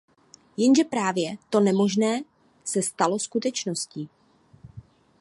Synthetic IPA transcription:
jɛnʒɛpɾaːvjɛt̪o̞nɛmo̞ʒnɛː | sɛst̪alo̞skut̪ɛt͡ʃno̞sciː

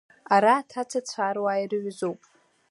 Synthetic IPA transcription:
aɾaːtʰat͡sʰat͡sʷʰaɾwairɨʕʷzowpʼ

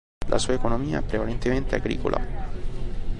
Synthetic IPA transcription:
lʔa̰suːaekonomiːa̰ɛpːɾevalent̪ement̪eaɡɾḭːko̰lʔa̰

